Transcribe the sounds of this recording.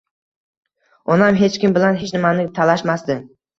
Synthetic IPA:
ɒnamɦe̞t͡ʃkʲɪmbɪlanɦet͡ʃʰnɪmanɪt̪ʰalaʃmasd̪ɪ

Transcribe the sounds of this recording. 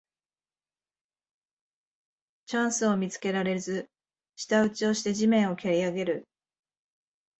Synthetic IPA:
t͡ɕãɰ̃sɨo̞mʲit͡sɨ̥ke̞ɾaɾe̞zɨ | ɕi̥t̪aɯ̟t͡ɕio̞ɕi̥t̪e̞ʑimẽ̞ɰ̃o̞kʲeɾʲiaɡe̞ɾɯ̟

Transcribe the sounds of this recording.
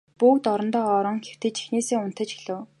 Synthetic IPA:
pukt̪ɔɾɞ̆nt̪ɔːɾɞ̆ŋxew̥t̪ɘ̆t͡ɕi̥xneːseːʊn̥t̪ə̆t͡ɕxeɮɘ̆ː

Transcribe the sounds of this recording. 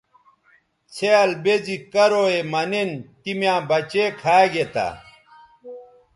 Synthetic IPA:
t͡sʰeɐlbed͡ʑikɐɾoːemɐnent̪imjãːbɐt͡ɕekʰaːɡet̪a̰

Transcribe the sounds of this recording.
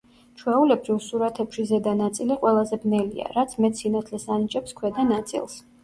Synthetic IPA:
t͡ʃʰwɛulɛbɾivsuɾat̪ʰɛpʃizɛd̪anat̪sʼiliqʼwɛlˠazɛbnɛlḭa̰ɾat̪sʰmɛt̪sinat̪ʰlɛsanit͡ʃʼɛpskʰwɛd̪anat̪sʼḭlˠs

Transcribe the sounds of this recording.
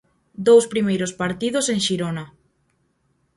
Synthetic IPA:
d̪owspɾimejɾospaɾt̪iðoseŋʃiɾona

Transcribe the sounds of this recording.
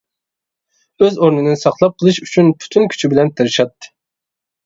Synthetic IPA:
øzoɾnɨnɨnsɑχlˠɑp̚qʰəlˠɨʃyt͡ʃʰynpʰy̥t̪ʰynkʲʰy̥t͡ʃʰibɪlɛnt̪ʰɨɾɨʃɑt̪ːɨ̥

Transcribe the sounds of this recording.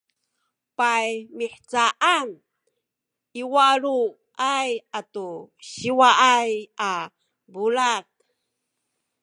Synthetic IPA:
pajmiħt͡saʔan | iwaɾu | ajatuɕiwaʔaja | bulak

